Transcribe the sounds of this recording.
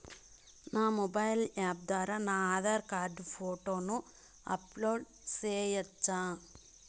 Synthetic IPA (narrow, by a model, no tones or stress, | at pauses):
naːmobɐjlaːb̚d̪aːɾɐnaːðɐɾkaːrɖɨfoːʈːoːnːu | ɐ̰ploːɖ | seːjɐt͡ʃːaː